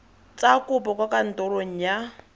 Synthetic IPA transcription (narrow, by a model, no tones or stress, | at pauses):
t͡sakʼʊpɔkwakan̩tɔɾoŋ̩ja